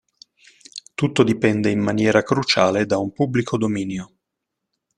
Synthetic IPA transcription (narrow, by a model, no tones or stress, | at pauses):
t̪ut̪ːod̪ipɛnd̪eimːanjɛːɾakɾut͡ʃaːled̪aumpubːlikʰod̪omiːnjo